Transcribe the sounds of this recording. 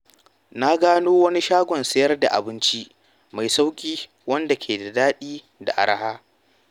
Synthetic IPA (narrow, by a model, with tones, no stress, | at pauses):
na˦ɡaː˦noː˦wɐ˦ni˦ʃaː˦ɡʷɔ˨nsɐ˦jɐ˦rda̰˨ʔa̰˨bɪ˦nt͡ʃi˦ | ma˨jsa˦wkʲʼiː˦ | wɐ˦nda˨kʲʰeː˨da˨daː˦ɗiː˦ | da̰˨ʔa̰˨ɾa˦haː˦